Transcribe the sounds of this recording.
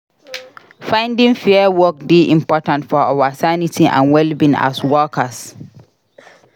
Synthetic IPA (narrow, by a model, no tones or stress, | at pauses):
fãɪ̃ndĩŋfɛəwɔk̚diʔĩmpɔtãntfɔawasanitiʔã̰nwɛlbĩna̰swɔkʰas